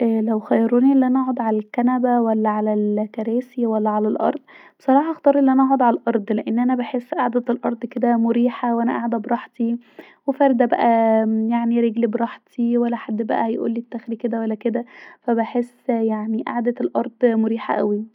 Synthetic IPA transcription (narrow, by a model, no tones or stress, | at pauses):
ʔæːlæwxæjːɑɾˤuːniʔelːʔænæʔaʕod̪ʕalælkænæbæwælːæʕalælkæɾæːsiwælːæʕalælʔɑ̰ɾˤd̪ˤb̥e̥sˤɑɾˤɑːħɑʔxt̪ˤɑːɾˤʔelːiʔænæʔɑʕod̪ʕalælʔɑɾˤd̪ˤleʔenːʔænæbaħesːʔaʕd̪æt̪elʔɑɾˤd̪ˤked̪æmoɾiːħawʔænæʔaʕd̪æbɾˤɑħt̪ˤi | wefæɾd̪æbæ̰ʔæjaʕniɾeɡlibɾˤɑħt̪ʰiwælːæħad̪ːbæ̰ʔæhæjʔṵːlːit̪ːæxɾiked̪æwælːæked̪æfæbaħesːjaʕniʔa̰ʕd̪æt̪elʔɑɾˤd̪moɾiːħa̰ʔæwi